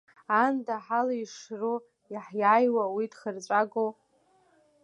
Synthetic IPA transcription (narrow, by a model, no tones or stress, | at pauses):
andaħalaiʂru | iħjaːjwawidχərt͡ʃʷʼaɡow